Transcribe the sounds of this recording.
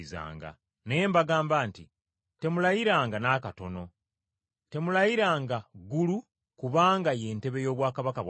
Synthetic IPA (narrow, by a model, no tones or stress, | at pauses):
za̰ːŋɡa̰ | neeːmbaɡaːmbaːnti | te̞mulajiɾaːŋɡanaːkato̞no̞ | te̞mulajiɾaːŋɡaɡulu | kuβaːŋɡaje̞ːnte̞βe̞jo̞ːβwaːkaβakaβ